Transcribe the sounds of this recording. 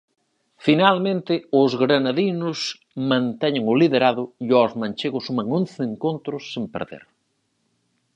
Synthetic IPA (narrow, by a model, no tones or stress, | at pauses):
finalmẽnt̪ɪʊzɣɾanaðinʊs | mãnt̪ɛɲeŋʊliðeɾaðʊiɔzmãnʲt͡ʃeɣʊsumɐŋõnθeeŋkont̪ɾʊsːempḛɾðḛɾ